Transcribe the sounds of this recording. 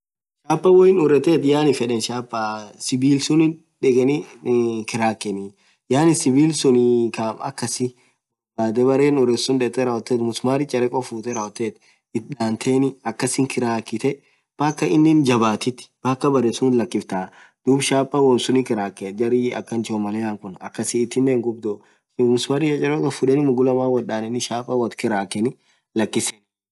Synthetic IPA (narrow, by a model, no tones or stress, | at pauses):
ʃaːpʼːɐwɔɪnʊɾɛt̪eːt̪jaːnɪfɛᶑɛnʃaːpʼːasɪbiːlsʊnɪ | ᶑɛɡɛnɪkɪɾaːkʼːɛnɪ | jaːnɪsɪbiːlsʊnkaːmɐ̰kːɐsɪ | aːt̪ɛbɐɾeːnʊɾɛsʊnᶑɛt̪ːɛɾɐɔt̪ːeːt̪mʊsmaːɾɪt͡ʃʼɐɾɛkʼɔfuːt̪ɛɾɐɔt̪ːeːt̪ | ɪt̪̚ᶑaːnt̪ʰeːnɪɐkːɐsɪŋkɪɾaːkːɪt̪ɛ | b̥aːkːɐɪnːɪnd͡ʒɐbaːt̪ɪt̪ːɪ̥b̥aːkːɐbɐɾɛsuːnlɐkːɪft̪aː | d̪̥uːbʃaːpʼːɐwɔnsʊnɪkɪɾaːkːɛd͡ʒɐɾɪɐ̰kːɐnt͡ʃomɐleːaːŋkʊnɐkːɐsɪːt̪ːɪnːeːŋɡʊbd̪o | mʊsmaːɾɪjɐt͡ʃʼɐɾkʼɐfʊᶑɛnɪmʊɡʊlɐmaːwɐᶑaːnɪnːɪʃaːpʼːɐwɐt̪kɪɾaːkːɛnɪ | lɐkːɪsɛn